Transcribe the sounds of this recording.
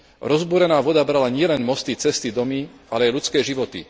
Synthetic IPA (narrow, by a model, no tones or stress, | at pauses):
ɾɔzbuɾɛnaːʋɔd̪abɾalaɲɪɛlɛnmɔst̪it͡sɛst̪id̪ɔmiʔalɛajlut͡skɛːʒiʋɔt̪ḭ